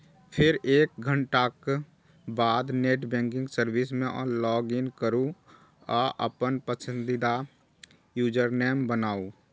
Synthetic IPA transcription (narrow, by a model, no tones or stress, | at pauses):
pʰɪɾeːk̚ɡʱə̃ɳʈak | baːd̪neːʈbɛ̃ːŋkɪ̃ŋɡsəɾwɪsmẽʔɔ̰ːlɔːɡɪnkəɾu | ɔːʔə̰pənpəsə̃nd̪ɪd̪a | juːd͡ʒəɾnɛːmbənaːuː